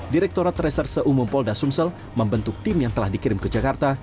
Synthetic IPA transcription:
diɾɛk̚t̪oɾat̪rɛsərsəʔumumpɔldasumsəl | məmbənt̪ʊk̚t̪imjaŋt̪əlahdikiɾɪmkəd͡ʒakart̪a

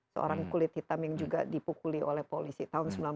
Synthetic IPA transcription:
səo̰ɾaŋkulɪt̪̚hit̪amjaŋd͡ʒuɡa̰dipukuliolɛhpolisit̪aɦʊnsəmbilan

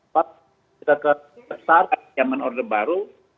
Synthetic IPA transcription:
pa | t̪akə | əsaraamanɔrdəbaɾu

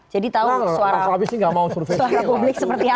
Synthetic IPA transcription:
d͡ʒadit̪auuaɾaaabɪsniŋɡamausurfesuaɾapublɪk̚səpərt̪ia

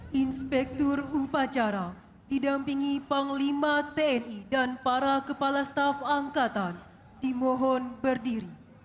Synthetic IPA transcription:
ʔinspɛk̚t̪ɔrupat͡ʃaɾa | didampiŋipaŋlimat̪eɛnidanpaɾakəpalast̪afaŋkat̪an | dimɔɦɔnbərdiɾi

